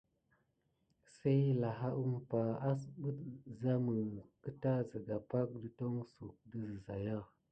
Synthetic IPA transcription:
sa˦jla˨ɦa˦ʔu˦mpa˨a˦sɓə˦tza˦mə˨kə˦ta˦zə˨ɡa˨pa˦k̚də˦to˦ŋsu˨k̚də˦zə˨za̰˨ja˦˨

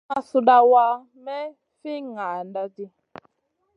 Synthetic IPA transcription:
a˦su˧da˧wa˧ | mɛ˦ | fi˦ŋa˨nda˧ti˧

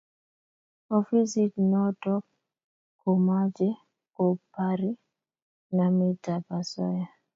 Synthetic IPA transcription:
ɔ˨fi˦si˦tnɔ˦tɔ˦k̚ | ko˨ma˦d͡ʒɛ˦ | ko˨pa˦ɾi˦ | na˨mi˦ta˨pa˨sɔ̰˦ja˨

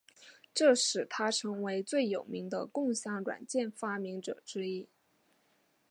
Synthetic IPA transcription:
ʈ͡ʂɤ˥˩ʂɻ̩˨˩t̪ʰa˥ʈ͡ʂʰɤ˧˥ŋwe˧˥ɪt͡swe˥˩ɪjo˨˩ʊmi˧˥ŋd̪ə̰˧kʊ˥˧ŋɕjɑ˥˩ŋɻwa̰˨˩nt͡ɕjɛ˥˩nfa˥mi˧˥ŋʈ͡ʂɤ̰˨˩ʈ͡ʂɻ̩˥i˥

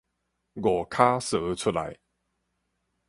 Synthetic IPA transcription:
ɡɔ˨˩kʰa˦sə˨˦t͡sʰu˥la̰˨˦j

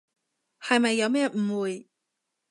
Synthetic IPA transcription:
hɐ˨jmɐ˨jːɐ˨˧wmɛː˥m̩˨˩wuː˨˩j

